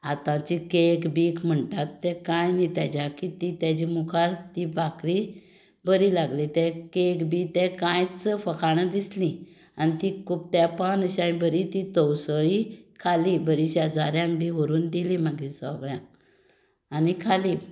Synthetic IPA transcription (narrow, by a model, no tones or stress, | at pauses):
at̪ãt͡ɕikekbiːkʰm̤əɳʈat̪ːɛ̃kãjnit̪jad͡ʑakit̪it̪jat͡ɕimukʰaɾt̪ibʱakɾi | bəɾilaɡlit̪ɛ̃kekbit̪ɛ̃kãjt͡səfəkʰaɽ̃əd̪islĩ | anit̪ikʰuːp̚t̪japãnəɕãĩbəɾit̪it̪ɔwsəɭikʰalibəɾiɕd͡zaɾjãŋbiɦoɾuːnd̪ilimaɡisɔ̰bɾjã | anikʰali